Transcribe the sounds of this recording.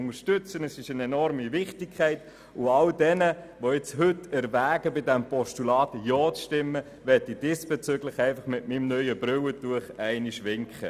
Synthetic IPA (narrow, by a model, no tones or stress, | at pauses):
ŋəʃtʏt͡sənəsɪʃənɛnɔɾmivɪχtɪkʰæɪt | ʊɑldɛnə | ʋoɛt͡shʏtɛɾvæːɡəbɪdɛmpɔʃtulɑːtjɔːt͡sʃtɪmːə | ʋɛtid̥ɪsb̥ɛt͡sʏɡlɪχæɪnfɑχmɪtmimnœʏəb̥ɾʏwətuəχɛɪniʃʋɪŋkχə̰